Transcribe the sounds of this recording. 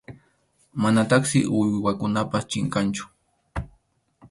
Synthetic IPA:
manat̪aχsɪ̰ʔʊjwakʊnapast͡ʃɪŋkant͡ʃʊ̥

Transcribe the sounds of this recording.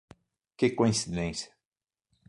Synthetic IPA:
kekoĩnsid̪ẽnsjɐ̥

